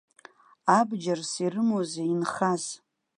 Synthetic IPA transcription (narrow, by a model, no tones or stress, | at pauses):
abd͡ʒarsirɨmozeinχaz